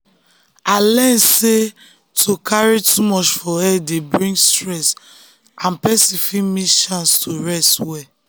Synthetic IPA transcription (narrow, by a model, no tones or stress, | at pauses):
alɛnse | tʰokʰaɹitʰumɔt͡ʃfɔɛdebɹĩŋɡstɹɛs | ãnpɛsĩfimiʃãnstʰoɹɛstwɛ